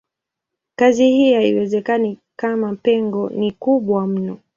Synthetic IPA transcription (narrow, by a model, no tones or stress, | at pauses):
kazihihaiwɛzɛkanikamapɛŋɡɔnikuɓwam̩nɔ